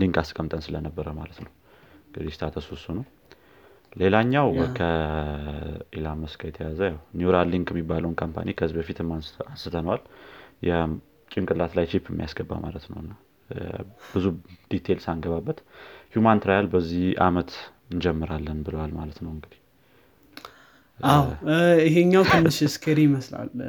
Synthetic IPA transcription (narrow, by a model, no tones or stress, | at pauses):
liŋkaskʼəmt̪ʼənsɨlənəbːəɾəma̰lət̪nəw | ɨŋɡɨd̪ist̪ʰat̪ʰəsusunəw | le̞laɲːawkʰə | ʔilamːəskʰajɛt̪ʰəjazəjawniuɾalːiŋɡɛmːibːaləwnkʰompʰa̰nikʰəɨzibəfit̪ʰɨmːaansɨt̪ʰənəwaljɛ | t͡ʃʼɪŋkʼɨlːat̪lajt͡ʃʰipɛmːijasɡ̥əbːa̰ma̰lət̪nə̰wɨnːa | b̥ɨzud̪̥it̪ʰelsaŋɡəβabːət̪hjumant̪ɾajalbəzːihamət̪ | ɨnd͡ʒɛmːɨɾalːənbɨləwalmalət̪nəwɨŋɡɨd̪i̥h | awiɦeɲːawt̪ʰɨnːɨʃskʰəɾijməsla̰l